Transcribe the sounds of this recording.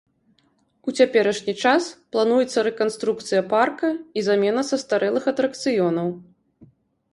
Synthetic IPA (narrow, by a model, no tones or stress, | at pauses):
ut͡sʲapʲɛɾɐʂnʲit͡ʂasplˠan̪ujɛt̪sːɐɾɛkanst̪ɾuk̚t̪sɨjɐparkɐizamʲɛnɐsɐst̪aɾɛlˠɨxɐt̪ɾɐkt̪sɨjɔnɐw